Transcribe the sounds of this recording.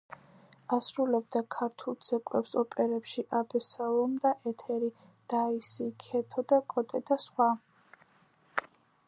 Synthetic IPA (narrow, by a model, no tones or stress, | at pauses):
asɾulɛb̚d̪akʰaɾt̪ʰulˠd̪z̥ɛkʼwɛ̰psɔpʼɛɾɛpʃiʔabɛsalˠɔmd̪aʔɛt̪ʰɛɾi | d̪̥aisikʰɛt̪ʰɔd̪akʼɔt̪ʼɛd̪asχwa